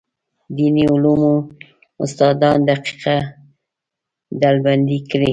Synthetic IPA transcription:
d̪iniʊlumu | ʊ̰st̪ɑd̪ɑnd̪aqi̥qa | d̪alband̪ikɾi

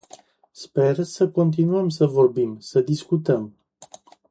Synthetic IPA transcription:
spe̞rsəko̞nt̪̬inuəmsəvo̞rbimsəd̪iskut̪əm

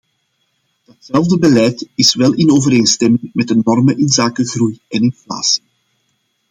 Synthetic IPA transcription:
d̥ɑtsɛlˠvdəbəlɛjtɪsʋɛlˠʔɪnoːvəɾeːnstɛmɪŋmɛdənɔrməʔɪnzaːkəɣrujɛnɪnfla̰ːsi̥

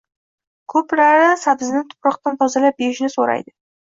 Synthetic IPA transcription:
kʰɵpɾaɾɪsabɪznɪŋt̪ʰʊ̥pɾɒqt̪ant̪ʰɒzalap̚beɪʃnɪsoɾa̰jd̪ɪ

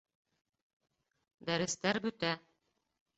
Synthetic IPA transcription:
d̪æɾɘ̆st̪æɾbɵ̆t̪æ

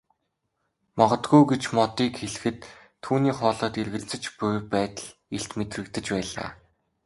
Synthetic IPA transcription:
mɔʁɞ̆t̪ɡujɡet͡ɕmɔt̪iːkxeɮ̆xɘ̆t̪ʰː | uːniːχɔːɮɔːt̪erɣɘ̆ɮt͡sɘ̆t͡ɕpʊjpæːt̪ə̆ɮeɬt̪met̪rɘ̆kt̪ɘ̆t͡ɕpæːɮa̰ː

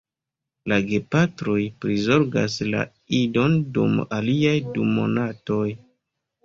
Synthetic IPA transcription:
laɡe̞patɾojpɾizo̞ɾɡa̰sla̰ | ido̞ndṵmaliajdumo̞̰nato̞j

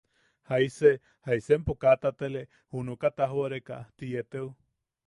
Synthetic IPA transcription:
hajse | hajsempokat̪at̪ele | hunukat̪aɦoɾeka̰t̪ijet̪eu

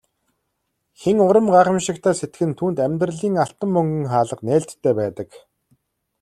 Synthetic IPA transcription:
xeŋʊɾə̆mɢaːχə̆mʃɪ̆kt̪ʰæːset̪ɡɘ̆nt̪ʰuːnt̪æmʲt̪rə̆ɮiːŋaɬt̪ə̆mːɵŋɡɵ̆ŋχaːɮə̆qnæːɮt̪ʰːæːpæːt̪ə̆k

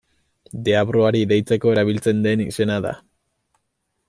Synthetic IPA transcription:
d̪e̞aβɾoaɾiðejt͡se̞ko̞eɾaβilt͡se̞nd̪e̞nḭse̞naða̰

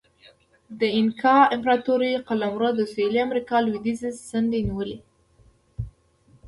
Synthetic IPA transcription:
d̪əɪnkʰɑɪmpɾɑt̪uɾiqalamɾod̪əsoliamɾikɑlwid̪izesənd̪eniwəli

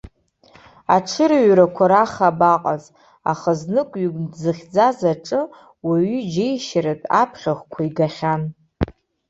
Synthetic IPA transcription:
aʈ͡ʂʰɨɾaɥɾakʷʰaɾaχabaqʼaz | a̰χəznɨkʷʼɥiɡʼdzɨχʲd͡zazaʈ͡ʂʼɨ | waɥyd͡ʒejʃaɾɨtʼa̰pʰχʲaχʷkʷʰaiɡaχʲan

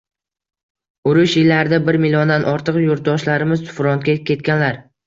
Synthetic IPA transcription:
ʊɾʊʃjɪlːaɾɪd̪abɪɾmɪlɒnd̪anʔɒɾt̪ʰɨqjoɾt̪̚d̪ɒʃlaɾɪmɪzt̪ʰʊ̥fɾɒnt̪̚kʲakʲe̞t̪̚kʲanlaɾ

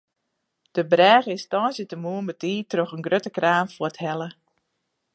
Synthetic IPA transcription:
d̥əbrɛːɣəɪnstɔːnsjətəmuənmbətiːtroxənɡrøtəkraːmfəthɛlə

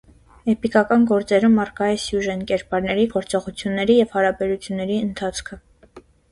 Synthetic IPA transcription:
ɛpikɑkɑnɡɔɾt͡sɛɾəmɑrkɑjɛsjuʒɛnkɛɾpɑɾnɛɾiɡɔɾt͡sɔʁut͡sʰjunːɛɾijɛvhɑɾɑbɛɾut͡sʰjunːɛɾiənt̪ʰɑt͡sʰkʰə

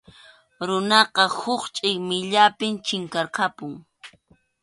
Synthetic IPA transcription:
ɾʊnɑqɑhʊχt͡ʃʼɪjmɪʎapɪmt͡ʃɪŋkɑɾqɑpʊŋ

